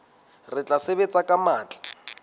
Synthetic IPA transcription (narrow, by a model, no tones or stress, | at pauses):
rɪt͡ɬʼaseβet͡sʼakʼamaːt͡ɬʼḁ